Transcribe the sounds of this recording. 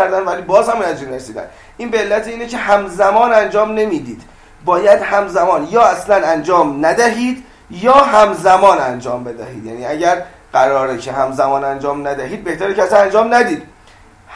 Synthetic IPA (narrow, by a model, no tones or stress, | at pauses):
æɾd̪ænvæliːbɒːzhæmunæzinɾesiːd̪æ̰n | ʔiːnbeelːæt̪ʰeiːnecʰehæmzæmɒːnænd͡ʒɒːmne̞miːd̪iːd̪̥ | bɒːjæd̪hæmzæmɒːnjɒːæslænænd͡ʒɒːmnæd̪æɦiːd̪ | jɒːɦæmzæmɒːnænd͡ʒɒːmbe̞d̪æhḭːd̪jæ̰niːæɟæɾ | ɢæɾɒːɾecʰeɦæmzæmɒːnænd͡ʒɒːmnæd̪æɦiːd̪̚be̞ht̪æɾicæsænænd͡ʒɒːmnæd̪iːd̪